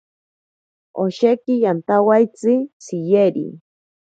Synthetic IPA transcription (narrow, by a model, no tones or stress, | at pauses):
oʃekɪjant̪awajt͡sɪsɪjeɾḭ